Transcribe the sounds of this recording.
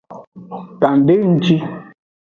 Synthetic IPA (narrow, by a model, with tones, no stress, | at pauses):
ta˨n˨de˦n̩˦t͡ʃi˦